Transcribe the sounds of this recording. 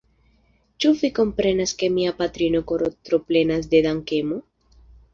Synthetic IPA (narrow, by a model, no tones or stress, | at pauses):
t͡ʃuviko̞mpɾe̞naske̞miapat̪ɾino̞koɾot̪ɾople̞nasd̪e̞d̪aŋke̞mo